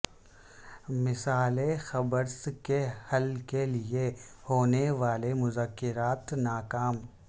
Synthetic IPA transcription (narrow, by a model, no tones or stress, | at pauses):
mɪsaːlexɐbəɾskehɐlkeliehoːneʋaːlemʊzəkːɪɾaːt̪naːkaːm